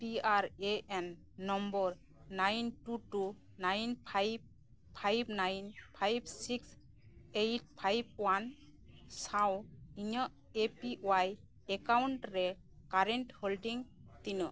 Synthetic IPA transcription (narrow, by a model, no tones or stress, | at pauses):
piaɾeʔɛnː | ɔmbɔɾ | najntuʈu | najnpʰajb̚ | pʰajb̚ʱnajnpʰajbsiks | ejt̚pʰajb̚wan | sawiɲə | epiʔwaj | ɛkawɳʈɾɛ | kaɾɛnʈhɔlɖiŋ | t̪inɯ